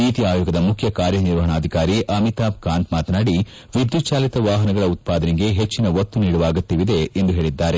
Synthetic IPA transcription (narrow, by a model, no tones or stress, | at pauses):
niːt̪iaːjoːɡɐd̪ɐmukʰjɐkaːɾjɐniɾʋɐɦɐɳaːd̪ʱikaːɾiʔɐmit̪aːp̚kaːnt̪maːt̪ɐnaːɽi | ʋid̪jut̪ʃaːlit̪ɐʋaːɦɐnɐɡɐɭɐut̪̚paːd̪ɐniɡe̞ɦet͡ʃːinɐʋɐt̪ːuniːɽɐʋaːɡɐt̪ːiʋid̪eːnd̪uɦeːɭid̪ːaːɾe̞